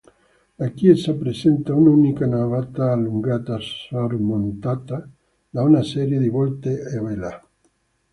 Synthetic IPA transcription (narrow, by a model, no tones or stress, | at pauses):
akiesapɾesent̪aununikanaβat̪aːluŋɡat̪asoɾmõnt̪at̪a | d̪aunasɛɾjeðiβɔlt̪eeβela